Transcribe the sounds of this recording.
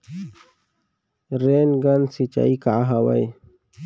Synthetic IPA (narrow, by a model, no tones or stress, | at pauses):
ɾenɡansit͡ɕa̰ikaɦawa̰j